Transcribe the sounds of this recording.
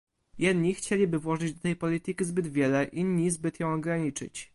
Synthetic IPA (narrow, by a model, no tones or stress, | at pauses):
jɛd̪ɲixt͡ɕelʲibɘvwɔʐɘd͡ʑd̪ɔt̪ɛjpɔlʲit̪ɘkʲizbɘd̪vʲjɛlɛʔinɲːizbɘt̪jɔ̃w̃ɔɡɾaɲit͡ʂɘ̰t͡ɕ